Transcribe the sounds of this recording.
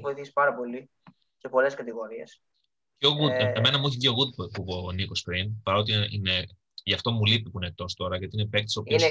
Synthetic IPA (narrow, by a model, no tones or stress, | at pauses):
vo̞iθisi̥pɐɾɐpo̞li | cepo̞le̞skɐt̪iɣo̞ɾie̞s | oɣuemenɐmuuçicoɣud̪̚puponikospɾinpɐɾo̞t̪̬iine | ʝɐft̪o̞mulipipuinet̪o̞st̪o̞ɾɐʝɐt̪inepek̚t̪isopios